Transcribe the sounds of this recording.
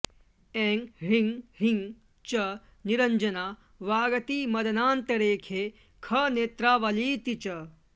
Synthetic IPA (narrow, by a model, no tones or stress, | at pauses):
eːŋɦiŋɡɦiŋ | t͡ʃɐ | niɾɐɲd͡ʒɐnaː | ʋaːɡɐt̪iːmɐd̪ɐnaːnt̪ɐɾeːkʰeː | kʰɐneːt̪ɾaːʋɐliːt̪it͡ʃɐ